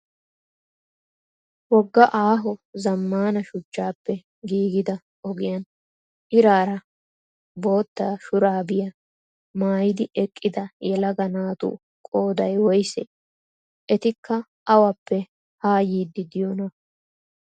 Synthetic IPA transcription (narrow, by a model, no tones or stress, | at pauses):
wɔɡːɐʔaːɦɔzɐmːaːnɐʃʊt͡ʃːaːpːɛ | ɡiːɡɪd̪ɐ | ɔɡɪjɐn | ʔɪɾaːɾɐ | bo̞ːt̪ːaːʃʊɾaːbɪjɐ | maːjɪd̪ɪʔɛkʼːɪd̪ɐjɛlɐɡɐnaːt̪ʊ̰ | kʼo̞ːd̪ɐjwɔjsɛ | ʔɛt̪ɪkːɐ | ʔɐwɐpːɛ | haːjiːd̪ːɪd̪ɪjɔnɐ